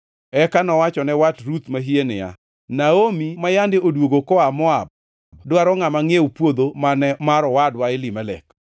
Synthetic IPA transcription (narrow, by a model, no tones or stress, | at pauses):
ɛkanɔwat͡ʃɔnɛwatɾut̪maɦienɪa̰ | naomimajandɪodwoɡokɔamɔab̚ | dwaɾɔŋamaŋeupwod̪omanɛmaɾɔwadwaɪlimalɛ̰k